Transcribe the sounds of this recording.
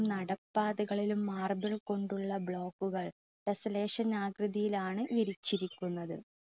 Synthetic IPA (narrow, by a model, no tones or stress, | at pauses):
nɐɽɐpːaːðuɣɐɭilumːaːrbɐɭko̞ɳɖuɭːɐbɭo̞ːkːuɣɐɭ | ɖesɐle̞ːʂɐnaːɡɾɐðijilaːɳɨʋiɾit͡ɕːiɾikʲːunːɐðɨ̰